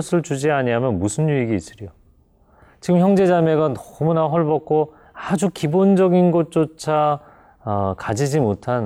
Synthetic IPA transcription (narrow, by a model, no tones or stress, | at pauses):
sʰɯɭt͡ɕud͡ʑiaɲiamjʌnmusʰɯnjuiɡiːs͈ɯɾjo | t͡ɕiɡɯmçjʌŋd͡ʑe̞d͡ʑame̞ɡanʌmunaɦʌɭbʌk̚k͈o | ad͡ʑukibond͡ʑʌɡinɡʌt̚t͡ɕ͈ot͡ɕʰa | ʌkad͡ʑid͡ʑimotʰan